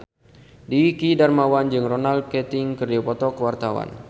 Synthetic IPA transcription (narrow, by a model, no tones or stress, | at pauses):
dikidarmawand͡ʒɨŋronald̚kɛt̪ɪŋkərd͡ʒɔpɔt̪ɔkəwart̪awa̰n